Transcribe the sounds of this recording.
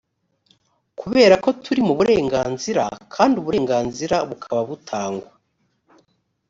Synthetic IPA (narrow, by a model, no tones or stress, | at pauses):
kuβe̞ːɾako̞tʰuɾimuβuɾe̞ːŋɡaːnziɾa̰kʰaːndiuβuɾe̞ːŋɡaːnziɾaβukʰaβaβutʰaːŋɡwa